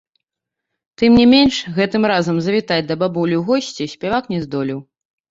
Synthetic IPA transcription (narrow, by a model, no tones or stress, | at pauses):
t̪ɨmnʲimʲenʲʂɣɛt̪ɨmɾazɐmzɐvʲit̪ad͡zʲd̪ɐbabulʲuɣɔsʲt͡sʲisʲpʲɛvaknʲɛzd̪ɔlʲiw